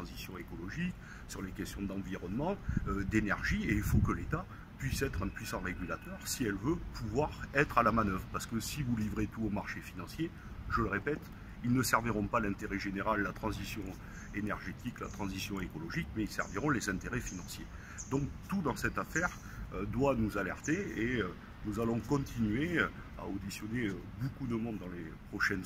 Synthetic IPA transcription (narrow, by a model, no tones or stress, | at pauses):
ɑ̃zisjɔ̃ekɔlɔʒik | syʁlekʲɛst̪jɔ̃d̪ɑ̃viʁɔnmɑ̃ød̪enɛʁʒieilfokəlet̪a | pɥisɛt̪χɛ̃pɥisɑ̃ʁeɡʲylat̪œʁsiɛlvøpʰuvwaʁɛt̪χalamanœvʁəpaʁsə̥kəsivulivʁet̪uomaʁʃefinɑ̃sje | ʒ̥ələʁepɛt̪ | ilnəsɛʁviʁɔ̃palɛ̃t̪eʁɛʒeneʁalːat̪χɑ̃zisjɔ̃ | enɛʁʒet̪ʰikla̰t̪χɑ̃zisjɔ̃ekɔlɔʒikmɛilsɛ̰ʁviʁɔ̃lezɛ̃t̪eʁɛfinɑ̃sje | d̪ɔ̃k̚t̪ud̪ɑ̃sɛt̪afɛʁ | ød̪wanuzalɛ̰ʁt̪eeø | nuzalɔ̃kɔ̃t̪ʰinɥe | a̰od̪isjɔneøbokud̪əmɔ̃d̪ːɑ̃lepχɔʃɛn